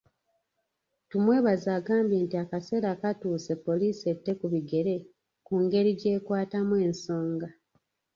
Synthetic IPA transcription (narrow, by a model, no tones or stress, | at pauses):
tumwe̞ːβazaːɡaːmbje̞ːntiakase̞ːɾakatuːse̞pːo̞liːse̞tːe̞kuβiɡe̞ɾe̞ | kuːŋɡe̞ɾiɟe̞ːkwaːtamwe̞ːnso̞ːŋɡa